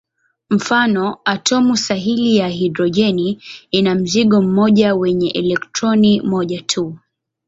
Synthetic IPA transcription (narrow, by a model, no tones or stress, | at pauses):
m̩fanɔatʰɔmusaɦilijaɦidɾɔʄɛniinam̩ziɠɔm̩mɔʄawɛɲɛʔɛlɛktɾɔnimɔʄatʰu